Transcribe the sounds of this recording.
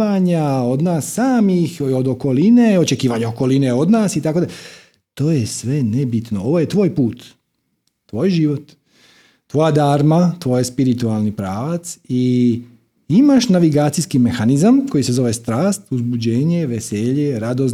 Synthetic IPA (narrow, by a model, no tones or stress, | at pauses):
aɲao̞d̪naːsːaːmixod̪o̞ko̞lineo̞t͡ʃe̞kiːʋaɲaoko̞lineo̞d̪naːsit̪akod̪a | t̪o̞ːjesʋe̞nebit̪no̞o̞ʋo̞jet̪ʋo̞ːjpuːt̪ː | ʋoːjʒiːʋot̪ː | ʋo̞jad̪aːɾmat̪ʋo̞ːjespiɾit̪ualˠnipɾaːʋat̪si | imaʃnaʋiɡaːt̪ijskime̞xanizamko̞jise̞zo̞ʋe̞st̪ɾaːst̪uzbud͡ʑeːɲe̞ʋeseʎeɾad̪o̞z